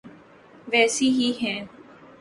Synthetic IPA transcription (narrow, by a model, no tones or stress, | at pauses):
ʋɛːsiːɦiːɦɛ̃ː